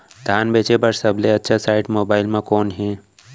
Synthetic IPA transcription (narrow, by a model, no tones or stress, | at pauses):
d̪ʱaːnbeːt͡ʃepəɾsəbʱleɐtːʃʰasaːɪʈmoːbaːɪlmẽkoːnɦẽ